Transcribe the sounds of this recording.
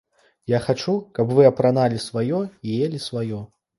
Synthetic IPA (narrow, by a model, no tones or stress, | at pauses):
jaxat͡ʂukɐbvɨɐpɾanalʲisvajɔijelʲisvajɔ